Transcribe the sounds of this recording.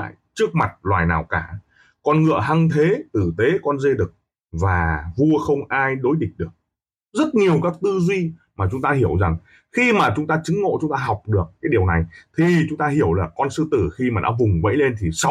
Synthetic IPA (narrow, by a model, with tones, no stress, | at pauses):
jt͡ɕɨ˦˥ək̚ma˨˩t̚lwaː˨˩jnaː˨˩wkaː˧˩ | kɔ˧nŋɨ̰˧˨əɦa˧ŋt̪ʰe˨˦t̪ɨ˧˩t̪e˨˦kɔ˧nze˧ɗɨ˨˩k̚ | vaː˨˩vu˧əxə˧wŋ͡mʔaː˧jɗo˨˦jɗï˨˩k̚ɗɨ˨˩ək̚ | zə˦˥t̚ɲi˨˩əwkaː˦˥k̚t̪ɨ˧zwi˧maː˨˩t͡ɕʊ˨˦ŋ͡mt̪aː˧ɦi˧˩əwza˨˩ŋ | xi˧maː˨˩t͡ɕʊ˨˦ŋ͡mt̪aː˧t͡ɕɨ˨˦ŋŋo̰˧˨t͡ɕʊ˨˦ŋ͡mt̪aː˧ɦɔ˨˩wk͡p̚ɗɨ˨˩ək̚kːaː˨˦jɗi˨˩əwna˨˩jt̪ʰi˨˩t͡ɕʊ˨˦ŋ͡mt̪aː˧hi˧˩əwlaː˨˩kɔ˧nsɨ˧t̪ɨ˧˩xi˧maː˨˩ɗa̰ː˧˥vʊ˨˩ŋ͡mvə̰˧˥jle˧nt̪ʰi˨˩sa˧